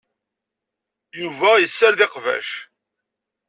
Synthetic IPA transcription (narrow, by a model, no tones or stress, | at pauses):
juvæjəsːəɾðɪqvæ̰ʃ